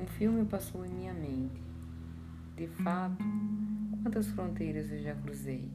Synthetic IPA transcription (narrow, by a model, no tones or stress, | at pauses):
ũfilmɪpasowẽŋmĩɲɐmẽnt̪ɪ̥ | d̪ɪfat̪ʊkwɐ̃nt̪ɐsfɾõnt̪ejɾɐzewʒakɾuzej